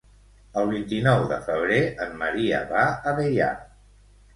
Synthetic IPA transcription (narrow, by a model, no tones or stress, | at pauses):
əlˠβ̞int̪inɔwðəfəβ̞ɾeəmːəɾiə̰βaəβeja̰